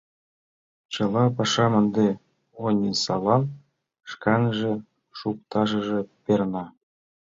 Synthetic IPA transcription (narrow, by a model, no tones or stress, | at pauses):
t͡ɕɤ̆lɑpɑʃɑmə̆nd̪e | onʲisɑ̰lɑm | ʃkɑnʒĕ | ʃuk̚t̪ɑʒə̆ʒĕpernɑ